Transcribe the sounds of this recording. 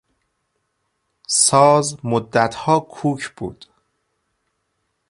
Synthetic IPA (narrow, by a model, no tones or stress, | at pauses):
sɒːzmod̪ːæt̪ʰhɒːkʰuːkʰb̥ṵːd̪̥